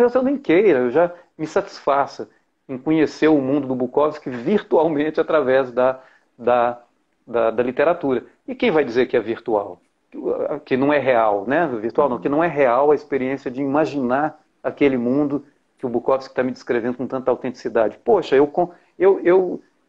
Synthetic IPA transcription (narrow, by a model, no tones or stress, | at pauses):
esɐ̃w̃d̪ẽj̃kejɾɐewʒa | mɪsat͡ʃi̥sfasɐ | ẽkõɲeseɾʊmũnd̪ʊd̪ʊbukɔviskɪviɾt̪uawmẽt͡ʃɪat̪ɾavɛzd̪ɐ | d̪ɐ | d̪ɐd̪ɐlit̪eɾat̪uɾɐ | ɪkẽj̃vajd͡ʒizeɾkɪɛviɾt̪ua̰w | kɪnɐ̃w̃ɛɦeawnɛviɾt̪uawnɐ̃w̃kɪnɐ̃w̃ɛɦeawɐispeɾiẽsiɐd͡ʒɪimaʒinaɾ | ɐkelɪmũnd̪ʊ | kɪʊbukɔviskɪ̥t̪amɪd͡ʒɪskɾevẽnd̪ʊkõt̪ɐ̃nt̪ɐawt̪ẽnt͡ʃ̪i̥sid̪ad͡ʒɪpoʃɐewkõ | ewew